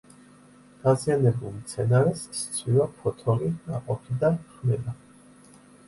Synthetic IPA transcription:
d̪̥azianɛbulˠmt̪sʰɛnaɾɛsst̪sʰvwivapʰɔt̪ʰɔɾinaqʼɔpʰid̪anχmɛd̪a

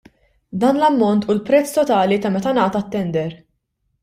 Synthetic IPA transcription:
d̪ɐːnlɐmːɔnt̪ulpɾɛt͡sːt̪ɔt̪ɐːlit̪ɐmɛt̪ɐnɐːt̪ɐt̪ːɛnd̪ɛɾ

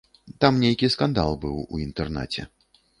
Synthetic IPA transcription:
t̪amnʲejkʲiskand̪alˠbɨwṵint̪ɛrna̰t͡sʲɛ̰

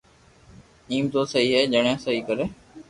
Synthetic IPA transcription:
iːmt̪oːsəɦiːɦɛːd͡ʒəɽjãːsəɦiːkəɾeː

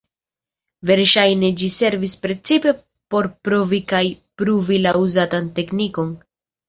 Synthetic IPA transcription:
ve̞ɾʃajne̞d͡ʒise̞ɾvispɾe̞t͡sipe̞ | po̞ɾpɾovikajpɾuvilauzatante̞kniko̞n

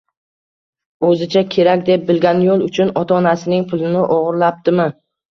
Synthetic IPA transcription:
ɵzɪt͡ʃʰakʲʰe̞ɾakʲd̪e̞p̚bɪlɡʲanjolˠʊt͡ʃʰʊnɒt̪ʰaːnasɪnɪŋpʰʊlˠɪnɪʔɒʁɨɾlap̚t̪ɪmɪ

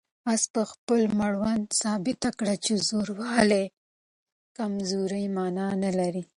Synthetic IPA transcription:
ɑspəxpəlmaɽwand̪sɑbɪt̪akɽat͡ʃezoɾwɑle | kamzuɾajmɑnɑnalaɾi

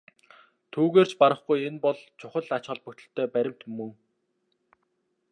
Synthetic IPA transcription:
t̪ʰuːɣeːr̥t͡ɕpaɾə̆χɡujenpɔɮt͡ɕʰʊχə̆ɮat͡ɕχɔ̆ɮpɵkt̪ɵ̆ɬt̪ʰːœːpæɾʲɪ̆m̥t̪mɵŋ

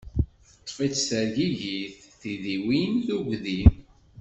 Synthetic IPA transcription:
θət̪ˤːfit͡sːsəɾʝiʝiθθiðiwinðuɡðiθ

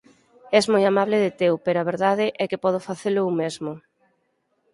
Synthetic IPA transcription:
ɛzmɔjamaβlɪðɪt̪ewpeɾoaβ̞eɾðaðɪʔɛkɪpɔð̞ʊfaθelʊumezmʊ

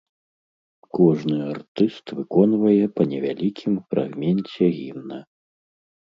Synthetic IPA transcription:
kɔʐnɨart̪ɨst̪vɨkɔnvɐjɛpɐnʲɛvʲalʲikʲʰimfɾa̰ɣmʲɛnt͡sʲɛɣʲinnɐ

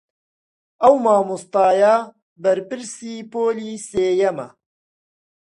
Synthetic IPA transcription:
ʔɐwmaːmust̪ɑːja | bɐɾpɨɾsiːpoːliːseːjɐmɐ̰

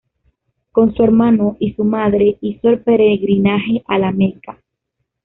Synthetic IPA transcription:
ko̞nsue̞ɾmano̞ʔisumaðɾe̞iso̞elpe̞ɾeɣɾinaxe̞ʔalamẽka

